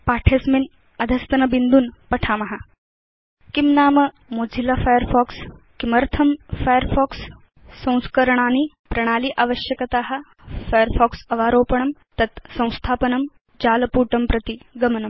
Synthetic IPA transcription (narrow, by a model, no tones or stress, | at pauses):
paːʈʰeːsmin | ɐd̪ʱɐst̪ɐnɐbind̪unpɐʈʰaːmɐɦa | kimnaːmɐ | moːd͡zʱilɐfajəɾfɔːkskimɐɾt̪ʰɐmfajəɾfɔːksː | ɐ̃w̃skɐɾɐɳ̃aːni | pɾɐɽ̃aːliʔaːʋɐʃjɐkɐt̪aːɦɐ̆ | fajəɾfʰɔːksɐʋaːɾoːpɐɳ̃ɐmt̪ɐt̪sɐ̃w̃st̪ʰaːpɐnɐm | d͡ʒaːlɐpuːʈɐmpɾɐt̪iɡɐmɐnɐm